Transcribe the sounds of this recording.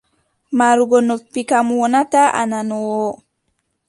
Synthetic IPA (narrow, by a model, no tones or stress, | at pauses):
maɾuɡɔnopːikamuwɔnataʔa̰nanɔwɔ